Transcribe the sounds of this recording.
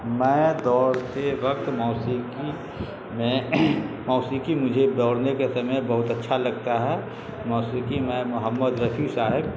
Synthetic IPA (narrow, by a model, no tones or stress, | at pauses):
mɛ̃ːd̪ɔːɾteʋəkt̪mɔːsiki | mẽ | mɔːsiːkimʊd͡ʒʱed̪ɔːɽnekesɐməjbɐɦʊt̪ətːʃʰalɐɡ̚t̪aɦɛ | mɔːsikimɛ̃mʊɦəmːəd̪ɾəpʰisaːɦɪb̚